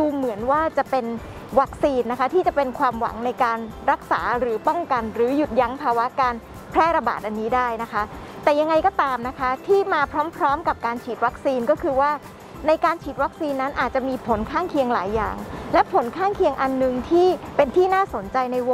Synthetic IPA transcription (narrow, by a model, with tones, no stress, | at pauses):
duː˧mɯ˩˦ənwaː˥˩t͡ɕa˨˩pe˧n | wa˦˥k̚siː˧nːa˦˥kʰa˦˥t̪ʰiː˥˩t͡ɕa˨˩pe˧nkʰwaː˧mwa̰˨˩˦ŋna˧jkaː˧nɾa˦˥k̚sa̰ː˩˦ɾɯː˩˦pɔ˥˩ŋka˧nɾɯː˩˦ju˨˩t̪̚ja˦˥ŋpʰaː˧wa˦˥kaː˧n | pʰɾɛː˥˩ɾa˧ba̰ː˨˩t̪̚ʔa˧nːiː˦˥daː˥˩jna˦˥kʰa˦˥ | t̪ɛː˨˩ja˧ŋːa˧jkɔː˥˩t̪aː˧mna˦˥kʰa˦˥t̪ʰiː˥˩maː˧pʰɾɔː˦˥mpʰɾɔː˦˥mka˨˩p̚kaː˧nt͡ɕʰiː˨˩t̪̚wa˦˥k̚siː˧nkɔː˥˩kʰɯː˧waː˥˩ | na˧jkaː˧nt͡ɕʰiː˨˩t̪̚wa˦˥k̚siː˧nːa˦˥nʔaː˨˩t̪̚t͡ɕa˨˩miː˧pʰo˨˩˦nkʰaː˥˩ŋkʰi˧əŋla̰ː˩˦jːa̰ː˨˩ŋlɛ˦˥ʔpʰo˨˩˦nkʰaː˥˩ŋkʰi˧əŋʔa˧nːɯ˨˧ŋt̪ʰiː˥˩pe˧nt̪ʰiː˥˩naː˥˩so˩˦nt͡ɕa˧jna˧jwo˧